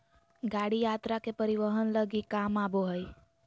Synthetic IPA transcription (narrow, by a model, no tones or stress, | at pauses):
ɡaɽijat̪ɾakepəɾiʋəɦənləɡikamaboɦəj